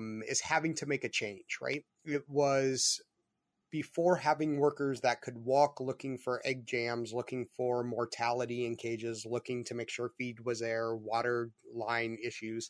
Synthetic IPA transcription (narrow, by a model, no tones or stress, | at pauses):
ɪ̰z̥hævɪ̃ŋtʰɨmeɪkɨt͡ʃʰẽɪ̃nd͡ʒɹa̰ɪt̚ | ɪt̚wʌz̥ | b̥ɨfɔɹɦævɪ̃ŋwɜ˞kə˞zðɨt̚kʰɨd̚wɔklʊkɪ̃ŋfə˞ʔɛɡ̚d͡ʒæ̃mzlʊkɪ̃ŋfə˞mɔɹtʰælˠəɾiɨ̃nkʰeɪd͡ʒɪzlʊkɪ̃ŋtʰɨmeɪkʃʊɹfid̚wʌzðə˞wɔɾə˞lãɪ̃nɪʃʉz̥